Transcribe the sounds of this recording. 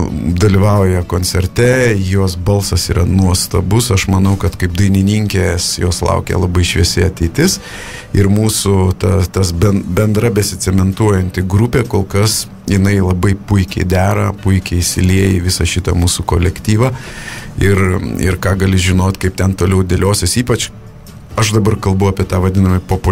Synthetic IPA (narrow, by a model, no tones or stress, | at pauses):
d̪ɐlʲiʋɐʊjɛkoːnʲt͡ssʲɛɾʲt̪ʲɛjoɔsbɐlˠsɐsiːɾɐnuɔst̪ɐbʊsɐʃmɐnɐʊkɐt̪kɐɪpd̪ɐɪnʲɪnʲiŋʲkʲesjoːslˠɐ̰ʊkʲḛlˠɐbɐɪʃʲʋʲiɛsʲɪɐt̪ʲɛɪt̪ʲɪs | ɪɾmuːsʊt̪ɐt̪ɐsbʲɛnbʲɛnd̪ɾɐbʲɛsʲɪt͡sʲɛmʲɛnt̪uɔjɛnʲt̪ʲɪɡɾupʲeːkoːlˠkɐs | jɪnɐɪlˠɐbɐɪpʊɪkʲɛɪd̪ʲæːɾɐ̰pʊɪkʲɛɪsʲɪlʲiɛjɪʋʲɪsɐʃʲɪt̪ɐmuːsukoːlʲɛkt̪ʲiːʋɐ | ɪrɪ̰ɾkɑːɡɐlʲɪʒʲɪnoːt̪ʲkɐɪp̚t̪ʲɛnt̪oːlʲɛʊd̪ʲeːlʲoːsʲesiːpɐt͡ʃ | ɐʃd̪ɐbɐrkɐlˠbɐʊɑːpʲiɛt̪ɑːʋɐd̪ʲɪnɐmɐpoːpʊ